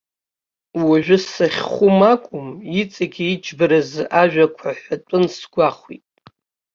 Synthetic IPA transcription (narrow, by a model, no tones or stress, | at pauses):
waʒᶣʊssaχʲχʷʊmakʷʼʊmit͡sʼaɡʲiid͡ʒʰbɨɾazʔaʒᶣakʷʰaħʷatʷʼʊnsɡ̥ʷaχʷwḭtʼ